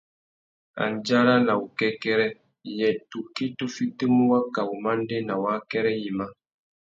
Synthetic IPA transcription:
a̰˨nd͡ʒa˦ɾa˦na˨u˨kɛ˦kɛ˦ɾɛ˦˨ | jɛ˨tu˨ki˦tu˦fi˦ti˦mu˦wa˦ka˨wu˨ma˦n˦de˦na˨wa˦kɛ˦ɾɛ˦ji˨ma˦

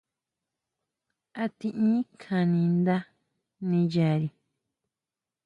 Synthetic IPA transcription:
a˧t̪ĩ˧ʔĩ˦kʰã˧nĩ˧nd̪a˦ | nĩ˧ja˨ɾi˧

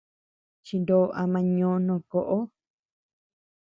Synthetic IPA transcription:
t͡ʃi˧nd̪o˨˦˧ʔa˧mã˧ɲõː˧˦nõ˧˨ko˨ʔo˦

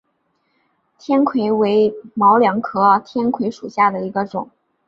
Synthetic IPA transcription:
t̪ʰjɛ˥nkʰwe˧˥ɪwe˧˥ɪmɑ˧˥ʊljɑ˧˥ŋkʰɤ˥t̪ʰjɛ˥nkʰwe˧˥ɪʂu˨˩ɕja˥˩d̪ə˩i˧˥ɡə˧ʈ͡ʂʊ̰˨˩˦ŋ

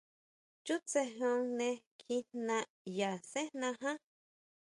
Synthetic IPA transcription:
t͡ʃu˦t͡se˧ɦõ˧ŋnẽ˧ | kʰi˧nnã˧ | ja˨sẽ˦nnã˧ɦã˦

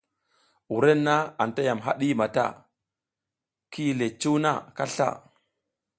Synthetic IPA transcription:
u˨ɾe˦nːa˦a˨nta˦ja˨mɦa̰˦ɗi˦ma˨ta̰˦˨ | kʰi˦le˨t͡ʃu˦na̰˦˨ka˦ɬa̰˦˨

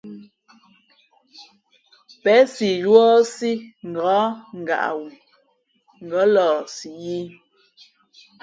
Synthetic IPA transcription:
pɛ˨˦si˨jwɔ˦si˦ŋ̩˨ɡɔ˨˦ŋ̩˨ɡa̰˨ʔa̰˨wu˨ | ŋ̩˨ɡɔ˨˦lɔː˨si˨ji˦

